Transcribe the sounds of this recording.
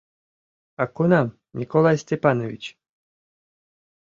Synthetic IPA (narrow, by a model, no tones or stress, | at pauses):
akonam | nʲikolˠajsʲtʲepanovʲit͡ɕ